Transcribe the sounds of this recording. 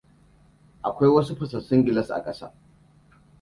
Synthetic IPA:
ʔa˨kʷa˦jwɐ˦su˦ɸɪ˨sɐ˨sʊ˦ŋɡʲɪ˦˨lɐ˦sʔa̰˨kʼɐ˦sa̰ː˦

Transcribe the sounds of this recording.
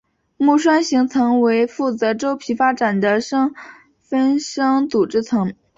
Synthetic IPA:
mu˥˩ʂwa˥nɕi˧˥ŋt͡sʰɤ˧˥ŋwe˧˥ɪfu˥˩t͡sɤ˧˥ʈ͡ʂo˥ʊpʰi˧˥fa˥ʈ͡ʂa˨˩nd̪ə˦ʂɤ˥ŋ | fə˥nʂɤ˥ŋt̪u˨˩ʈ͡ʂɻ̩˥˩t͡sʰɤ˧˥ŋ

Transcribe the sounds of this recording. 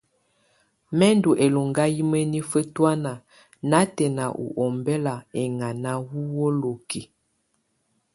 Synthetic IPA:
mɛ˦ndu˨ʔe˨lo˨ŋɡa˦ji˦mə˦ni˦fə˦twa˦na˨ | na˨˦tɛ˨na˨ʔṵ˨ʔɔ˨mbɛ˦la˨ɛ˨ŋa˨na˦wu˦wo˦lo˨ki˨

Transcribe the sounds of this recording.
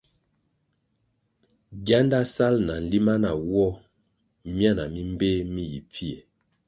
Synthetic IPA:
ɡja˦nda˦sa˦lna˨n̩˨li˦ma˦na˨wɔ˦ | mja˦na˨mi˦m˦be˦mi˦˨ji˨p͡fi˦e˨

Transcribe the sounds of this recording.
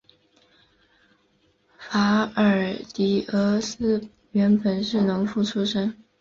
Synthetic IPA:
fa˧˥ə˞˨˩t̪i˨˥˩ɤ˧˥sɹ̩˥ | ɥɛ˧˥npə˨˩nʂɻ̩˥˩nʊ˧˥ŋfu˥˩ʈ͡ʂʰu˥ʂə˥ŋ

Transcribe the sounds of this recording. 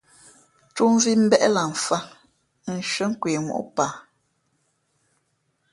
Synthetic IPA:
tu˦m˦vi˦m̩˦bɛ˦ʔɛ˦la˨ɱ˨fa˦ | n̩˨ʃɥə˦ŋ̩˦kweː˨mṵ˨ʔpa˨

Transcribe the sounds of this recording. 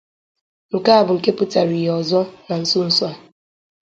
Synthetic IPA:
ŋ̩˨ka˦a˦˨bʊ˨ŋ̩˨ke˦pʊ˦ta˨ɾi˨ɦɔ˨zɔ˦na˨n̩˦sʊ˦n̩˦sɔ˦a˨

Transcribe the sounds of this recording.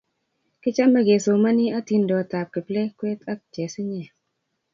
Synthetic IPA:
kɪ˦t͡ʃa˦mɛ˦ɡe˨so˨ma˦ni˦a˦ti˨ndɔ˨ta˨p̚kɪ˨plɛ˦kwe˦ta˦k̚d͡ʒe˨sɪ˦ɲɛ˨

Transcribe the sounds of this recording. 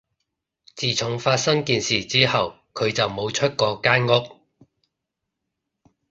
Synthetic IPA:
t͡siː˨˩t͡sʰʊ˨˥ŋfaː˧t̚sɐ˥ŋkiː˨nsiː˨˩t͡siː˥hɐ˨w | kʰɵ˨˧ɥt͡sɐ˨wmo˨˧wt͡ʃʰɵ˥t̚kɔː˧kaː˥nŋʊ˥k̚

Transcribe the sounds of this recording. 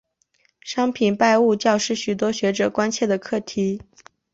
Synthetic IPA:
ʂɑ˥ŋpʰi˨˩npa˥˧ɪu˥˧t͡ɕjɑ˥˧ʊʂɻ̩˥˩ɕy˨˩t̪wɔ˥ɕɥɛ˧˥ʈ͡ʂɤ˨˩kwa˥nt͡ɕʰjɛ˥˩d̪ə˩kʰɤ˥˩t̪ʰi˧˥

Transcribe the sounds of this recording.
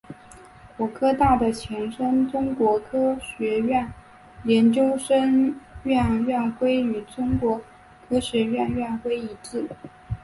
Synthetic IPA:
kwɔ˧˥kʰɤ˥t̪a˥˩d̪ə˩t͡ɕʰjɛ˧˥nʂə˥nʈ͡ʂʊ˥ŋkwɔ˧˥kʰɤ˥ɕɥɛ˧˥ɥɛ˥˩n | ljɛ˧˥nt͡ɕjo˥ʊʂə˥ŋɥɛ˥˧nɥɛ˥˩nxwe˥ɪy˨˩ʈ͡ʂʊ˥ŋkwɔ˧˥ | kʰɤ˥ɕɥɛ˧˥ɥɛ˥˧nɥɛ˥˩nxwe˥ɪi˧˥ʈ͡ʂɻ̩˥˩

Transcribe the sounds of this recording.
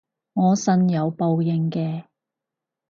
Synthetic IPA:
ŋɔː˨˧sɐ˥njɐ˨˧wpo˧wjɪ˧ŋkɛː˧

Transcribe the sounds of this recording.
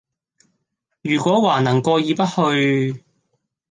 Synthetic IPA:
jyː˨˩kʷɔː˨˥waː˨˩nɐ˨˩ŋkɔː˧jiː˨˧pɐ˥t̚hɵ˧ɥ

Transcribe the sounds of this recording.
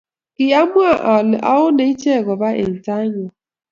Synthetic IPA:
kɪ˨a˦mʊ˦a˨ʔla̰˦ʊ˦ne˨i˦t͡ʃe˦e˨ɡɔ˨ba˦ʔḛ˨n̩˨ta˦ɲʊ˨

